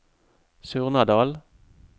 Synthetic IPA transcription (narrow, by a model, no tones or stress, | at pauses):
sʉːʁnɑd̪ɑːl